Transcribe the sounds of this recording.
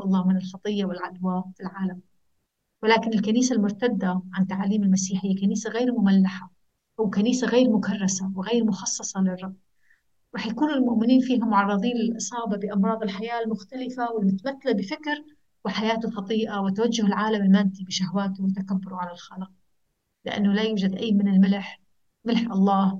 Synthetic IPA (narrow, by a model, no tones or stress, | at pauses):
ʔɑlˤːɑːhmɪnɪlxɑt̪ˤɨjːawɪlʕad̪waːfilʕaːlam | wɪlaːkɪnɪlkaniːsalmʊɾt̪ad̪ːaʕant̪ːaʕaliːmɪlmasiːħɪkaniːsaɣeːɾmʊmalːaħa | ʔawkaniːsaɣeːɾmʊkarˤːɑsawɪɣeːɾmʊxɑsˤːɑsˤɑlɪrˤːɑbː | ɾˤɑːħjakuːnʊlmʊʔmːɪniːnfiːɦamːʊʕɑrˤːɨðˤiːnlɪlʔɨsˤɑːbabɪʔɑmɾˤɑːðˤɪlħajaːlmʊxt̪alɪfawɪlmʊt̪amat̪ːalabɪfɪkɾ | wɪħajaːt̪ʊfɑd̪ˤiːʔawɪt̪awad͡ʒːʊhɪlʕaːlamɪlmaːnt̪ibɪʃahwaːt̪ʊwɪt̪akabːʊɾuʕalalxalq̚ | lɪʔa̰nːʊlajuːd͡ʒad̪ʔajːmɪnɪlmɪlħ | mɪlħʔɑlˤːɑːh